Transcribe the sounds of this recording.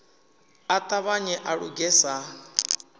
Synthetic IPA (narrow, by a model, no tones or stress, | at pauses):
at̪ʼaβaɲɛʔaɺṵɡɛsa